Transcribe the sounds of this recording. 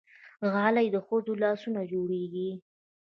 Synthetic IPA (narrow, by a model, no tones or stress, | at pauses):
ɣɑlajd̪əxəzolɑsunad͡ʒoɽeɡi